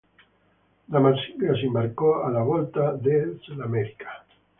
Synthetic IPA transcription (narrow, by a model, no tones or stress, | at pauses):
lamasilasembaɾkoalaβolt̪aðeselameɾikḁ